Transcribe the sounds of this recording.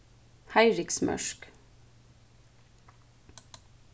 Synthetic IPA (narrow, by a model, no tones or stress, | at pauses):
hæɪɹɪksmʔœ̰ʃk